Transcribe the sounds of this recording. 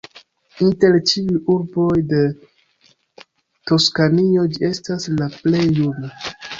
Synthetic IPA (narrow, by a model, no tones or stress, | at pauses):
inte̞ɾt͡ʃiujuɾbo̞jde̞ | to̞skanio̞d͡ʒie̞staslaple̞jːuna